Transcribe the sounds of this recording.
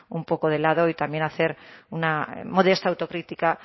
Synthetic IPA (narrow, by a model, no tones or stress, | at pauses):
umpo̞koð̞e̞laðoit̪amje̞naθe̞ɾunamo̞ð̞e̞st̪awt̪o̞kɾit̪ika